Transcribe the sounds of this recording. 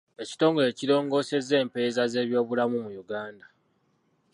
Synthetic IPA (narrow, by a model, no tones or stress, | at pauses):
e̞ci̥to̞ːŋɡo̞le̞ːciɾo̞ːŋɡo̞ːse̞ze̞ːmpezaze̞ːβjo̞ːβulamumujuɡaːnda